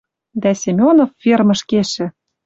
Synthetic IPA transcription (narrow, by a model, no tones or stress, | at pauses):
d̪æsʲemʲonofːermɤ̆ʃkeʃɘ̆